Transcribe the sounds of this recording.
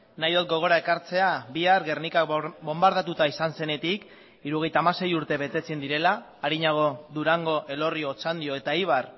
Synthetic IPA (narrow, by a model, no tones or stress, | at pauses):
najðot̪̚ɡo̞ɣ̞o̞ɾae̞kaɾt͡se̞abiaɾɣe̞rnikakbo̞mbaɾðat̪ut̪aisanse̞ne̞t̪ik | iɾuɣ̞e̞jt̪aːmase̞juɾt̪e̞βe̞t̪e̞t͡send̪iɾe̞laː | ɾiɲaɣ̞o̞ðuɾaŋɡo̞ʔe̞lo̞rio̞ːt͡sand̪io̞e̞t̪aiβ̞ar